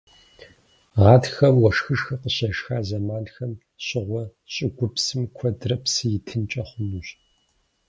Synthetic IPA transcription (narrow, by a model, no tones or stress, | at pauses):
ʁɑːtxɐmwɔʂxɨʂxɐqəɕɐʂxaːzɐmaːnxɐm | ɕʼɪʁʷɔɕʼɪɡʷʊpsɨmkʷʰɔdrɐpsɨjɪtʰɨnt͡ʃʼɐχʷʊnuːɕ